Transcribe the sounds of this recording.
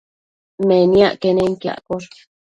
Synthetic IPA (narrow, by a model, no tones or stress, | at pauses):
meniaʔkeneŋka̰ʔkoɾ